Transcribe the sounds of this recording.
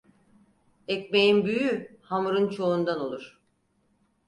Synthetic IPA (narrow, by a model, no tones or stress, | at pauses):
ec̚mejinbyjyhamuɾɯnt͡ʃʰo̞und̪ano̞lˠuɾ̥